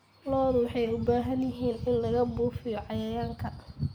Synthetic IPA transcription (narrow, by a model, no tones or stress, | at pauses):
lɔːðʊwɑħɑjʊbaːɦɐnjɪɦiːnɪnlɐɣɐbuːfɪjɔʕɑjɐjaːŋkʰɐ